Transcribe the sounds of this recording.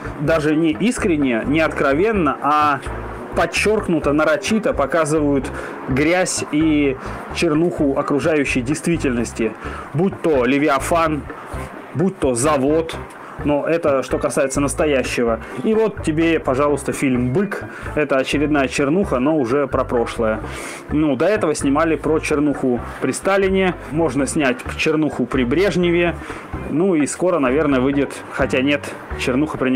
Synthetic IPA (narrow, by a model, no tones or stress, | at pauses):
d̪aʐɨnʲɪʔiskɾʲɪnʲːɪjənʲɪɐt̪kɾɐvʲe̞nːəʔa | pɐt͡ɕːo̞rknʊt̪ənəɾɐt͡ɕit̪əpɐkazɨvəjʊt̪ | ɡɾʲæsʲi | t͡ɕɪrnuxʊɐkɾʊʐajʉɕːɪjdʲɪjst̪vʲitʲɪlʲnəsʲtʲɪbut̚ʲt̪olʲɪvʲɪɐfan | but̚ʲt̪ozɐvo̞t̪ | noʔɛt̪əʂt̪okɐsajɪt̪sənəst̪ɐjæɕːɪvəivo̞t̪tʲːɪbʲepɐʐɑlˠʊst̪əfʲilʲmbɨk | ɛt̪əɐt͡ɕɪɾʲɪd̪̚najət͡ɕɪrnuxəno̞ʊʐɛpɾɐpɾo̞ʂlˠəjə | nud̪ɐɛt̪əvəsʲnʲɪmalʲɪpɾot͡ɕɪrnuxʊ | pɾʲɪst̪alʲɪnʲɪ | mo̞ʐnəsʲnʲætʲt͡ɕɪrnuxʊpɾʲɪbɾʲe̞ʐnʲɪvʲɪ | nuisko̞ɾənɐvʲe̞rnəjəvɨdʲɪt̪ | xɐtʲanʲe̞t̪ | t͡ɕɪrnuxəpɾʲɪ